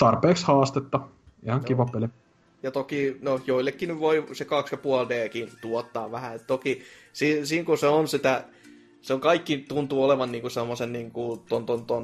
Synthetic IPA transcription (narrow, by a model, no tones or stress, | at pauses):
t̪ɑrpeːkshɑːst̪et̪ːɑ | ihɑŋkiʋɑpeli | jɑt̪okinojoilːekːinyʋʋoisekɑksjɑpuɑldeːkint̪uɔt̪ːɑːʋʋæhæet̪t̪okisiːnsiːŋkuseonsit̪æ | seoŋkɑikːit̪unt̪uːoleʋɑnniːŋkusemːosenniːŋkut̪ont̪ont̪on